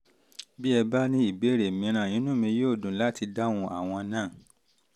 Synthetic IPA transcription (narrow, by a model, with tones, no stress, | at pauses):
bi˦ɛ˧ba˦nĩ˦i˦˨be˨˦˨ɾe˨mĩ˨˦ɾ̃ã˨ĩ˨˦nũ˦mĩ˧joː˦˨dũ˨˦la˦ti˧da˦w̃ũ˧ʔa˨w̃ɔ̃˧nãː˦˨